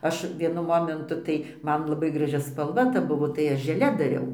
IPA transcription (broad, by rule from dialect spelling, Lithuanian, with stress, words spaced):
ˈɐʃ ʋʲiɛˈnʊ ˈmoːmʲɛntʊ tɐɪ ˈmɐn lˠɐˈbɐɪ ɡrɐˈʒʲɪ spɐlˠˈʋɐ tɐ ˈbʊʋoː tɐɪ ˈɐʃ ʒʲɛˈlʲɛ dɐˈrʲɛʊ